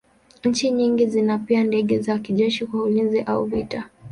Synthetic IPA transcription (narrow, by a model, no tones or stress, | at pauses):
ɲ̩t͡ʃiɲiŋɡizinapiandɛɠɛzakiʄɛʃikwaulinziʔauvita